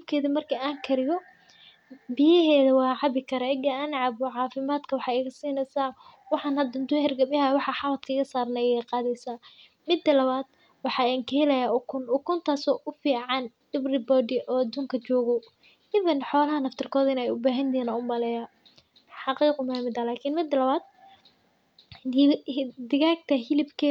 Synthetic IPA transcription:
bkʰɛːðimɐrkʰiaːŋkʰɐɾɪjɔ | bɪjɐɦɛːðɐwɑːʕɑbɪkʰɐɾɛɡɐɐnʕɑbʊʕɑːfɪmaːd̪kʰɐwɑħɑːɛɣɐsiːnɛsaː | wɑħɑnhɐd̪ɐnd̪ʊhɛrɡɐbɐɦɐwɑħɑħɑlɐt̪kʰɐːɣɐsaːrnɛɛjɛjqɑːðɛjsaː | mɪd̪ːɐlɐβaːd̪̥ | wɑħɑːɛŋkʰɐhɛlɛjaʔʊkʰʊnʊkʰʊnt̪ʰaːsɔːʔʊfiːʕɑnɖ̥ɪbrɪbɔdɪʔɔːd̪ʊŋkʰɐt͡ʃɔːɣɔ | ɪðɐnħɔːlɐɦɐnɐft̪ʰɪrkʰɔːðɪnɛjʊbaːɦɐnt̪ɛːnɐʊmɐlɛja | ħɑqiːqʊmɐmɪd̪ɐlaːkʰɪnmɪd̪ːɐlɐβaːd̪̚ | d̪ɪɣaːɡt̪ʰɐɦɪlɪbkʰɛ

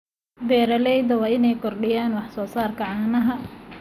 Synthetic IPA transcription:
bɛːɾɐlɛjd̪ɐwɑːɪnɛjkʰɔrɖɪjaːnwɑħsɔːsaːrkʰɐʕɑːnɐɦɐ

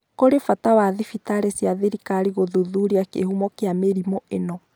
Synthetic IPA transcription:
koɾefatawaðifitaɾesjaðeɾikaɾiɣoðuðuɾiakehumɔkeameɾimoʔenɔ

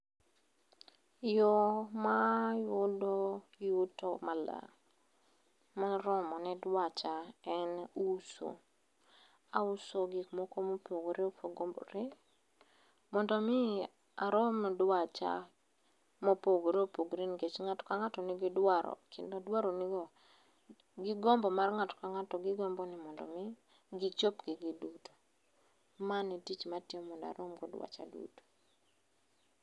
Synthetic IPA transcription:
jɔmajʊdojutɔmala̰ | maɾɔmɔnɛdwat͡ʃaɛnuso̰ | ausoɡɪkmɔkomopoɡoɾeopʰoɡomboɾe | mɔndɔmɪ | aɾɔmɛdwat͡ʃa̰ | mopoɡoɾeopoɡɾinɡet͡ʃŋatɔ̥kaŋatɔnɪɡɪdwaɾɔ̰kɪ̰ndodwaɾonɪɡɔ | ɡɪɡɔmbɔmarŋatɔ̥kaŋatɔɡɪɡɔmbɔnɪmɔndɔ̰mɪ | ɡɪt͡ʃopɡɪɡiduto̥ | manitit͡ʃmatɪɛmɔnda̰ɾomɡɔdwa̰t͡ʃa̰dṵto̥

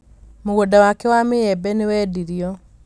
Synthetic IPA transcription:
moɣodawakɛwameɛbɛnewɛːdiɾiɔ

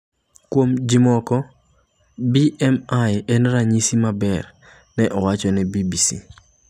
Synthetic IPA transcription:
kwomd͡ʒimɔkɔ | biɛmajɛnɾaɲisimabɛr | nɛʔɔwat͡ʃɔnɛbibisi

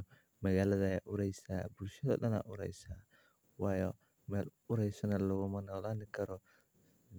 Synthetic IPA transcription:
mɐɣaːlɐðɐjaːʔʊɾɛjsa̰ːbʊlʃɐðɔ̰ːɗɐna̰ːʔʊɾɛ̰jsaː | waːjɔ | mɛːl | ʊɾɛjsɐnɐlɔɣʊmɐnɔːlaːnɪkʰɐɾɔ

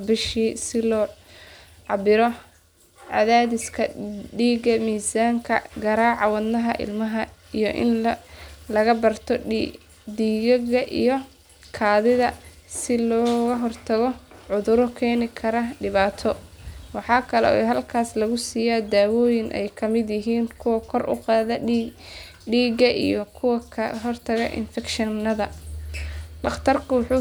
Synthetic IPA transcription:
bɪʃiːsɪlɔː | ʕɑbɪɾɔ | ʕɑ̰ðaːðɪskʰɐɖiːɡɐmiːsaːŋkʰɐ̰ɡɐɾaːʕɑwɐd̪nːɐɦɐʔɪ̰lmɐɦɐijɔʔɪ̰n | lɐɣɐbɐrt̪ʰɔ | d̪iːɣɐɣɐʔḭjɔ | kʰaːðɪðɐsɪlɔːɣɐɦɔrt̪ʰɐɣɔʕʊðʊɾɔkʰɛːnɪkʰɐɾɐɖɪβaːt̪ʰɔwɑħɑːkʰɐlɛ̰ɛɦɐlkʰaːslɐɣʊsiːjaːd̪aːwɔːjɪnʔɛ̰jkʰɐmɪd̪jɪɦiːnkʰʊwɐkʰɔrʔʊ̰qɑːðɐ | ɖiːɡɐʔḭjɔkʰʊwɐkʰɐɦɔrt̪ʰɐɣɐ̰ʔɪ̰nfɛkʃɪnɐðɐ | ɖɑχt̪ʰɐrkʰʊwɑħuː

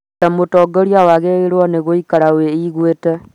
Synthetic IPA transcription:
tamotɔɡɔɾiawaɣeeɾwɔneɣoikaɾaweiɣwetɛ

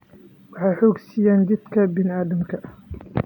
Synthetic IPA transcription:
wɑħajħoːɡsijaːnd̪id̪kʰɐbɪnɪʔaːd̪ɐmkʰɐ

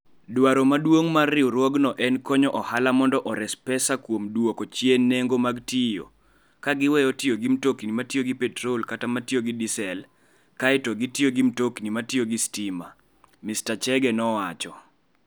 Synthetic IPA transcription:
dwaɾomadwoŋmarːɪoɾwɔɡnɔʔɛnkɔɲɔʔɔhalamɔndɔʔɔɾɛspɛsakwomdwokɔt͡ʃjenːɛŋɡomaɡtɪjo̰ | kaɡɪwɛjɔtɪoɡimtokinimatɪjoɡipɛtɾolkatamatɪoɡɪdisɛl | kaɪtɔɡɪtɪjoɡimtoknimatɪjoɡistima̰ | mistat͡ʃɛɡɛnɔwat͡ʃɔ

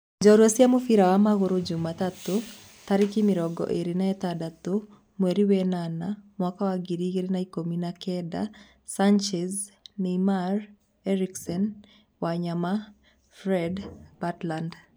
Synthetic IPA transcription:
d͡ʒɔɾwesjamʊfiɾawamaɣʊɾod͡ʒʊmat̪at̪o | t̪aɾikimiɾɔɡɔ̰ʔeɾinaɛt̪adat̪o | mweɾiwenanamwakawaɡiɾiɡeɾenaikominakɛda̰ | sant͡ʃɛznimar | ɛɾiksɔn | waɲama | fɾɛdbatland

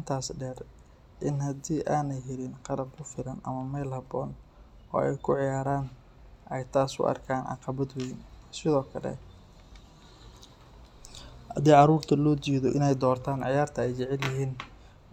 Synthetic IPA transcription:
ɪnt̪ʰaːsɖɛːr | ʔɪnhɐd̪iːʔaːnɛjɦɛɾɪnqɑlɐb̚kʰʊfɪlɐnʔɐ̰mɐmɛːlhɐbɔːn | ʔɔ̰ːɛ̰jkʰʊʕɪjaːɾaːn | ʔɛjt̪ʰaːsʊ̰ʔɑ̰rkʰaːnʕɑ̰qɑβɐd̪wɛjnsɪðɔːkʰɐlɛ̰ | ɐd̪ɛːʕɑɾuːrt̪ʰɐlɔːd̪iːðɔʔɪnɛjd̪ɔːrt̪ʰaːnʕɪjaːrt̪ʰɐɛjt͡ʃɛʕɛljɪɦiːn

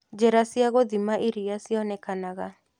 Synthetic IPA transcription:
d͡ʒeɾasiaɣoðimaʔiɾiasiɔnɛkanaɣa

